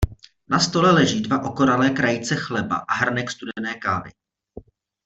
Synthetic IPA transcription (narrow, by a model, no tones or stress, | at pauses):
nast̪o̞lɛlɛʒiːdvaʔo̞ko̞ɾalɛːkɾajɪt͡sɛxlɛba̰ʔaɦr̩nɛkst̪udɛnɛːkaːvɪ̰